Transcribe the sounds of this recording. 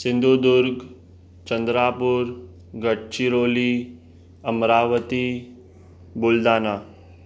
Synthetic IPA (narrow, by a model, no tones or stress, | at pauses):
sɪ̃nd̪ʱud̪ʊɾɡ | t͡ʃənd̪ɾaːpuɾ | ɡəʈ̚t͡ʃiɾoːli | əmɾaːʋət̪i | buld̪aːna